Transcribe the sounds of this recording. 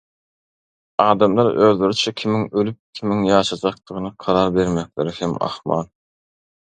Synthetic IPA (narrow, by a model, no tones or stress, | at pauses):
ɑːd̪ɑmlˠɑɾøld̪yɾit͡ʃʰɛkʲʰimiŋølyp̚kʲʰimiŋjɑːʃɑd͡ʒɑq̚t̪ɯʁɯnɨqʰɑɾɑɾbeɾmæk̚ʲleɾɪhemɑ̰χmɑ̰lˠ